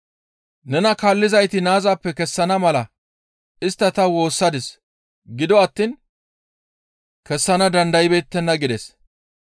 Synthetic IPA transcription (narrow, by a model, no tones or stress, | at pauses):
nɛnɐkaːlːɪzɐjt̪ɪnaːzaːpːɛkɛsːɐnɐmɐlɐ | ɪst̪ːɐt̪ɐwo̞ːsːɐd̪ɪs | ɡɪd̪ɔɐt̪ːiːn | kɛsːɐnɐd̪ɐnd̪ɐjɪbeːt̪ːɛnːɐɡɪd̪ɛs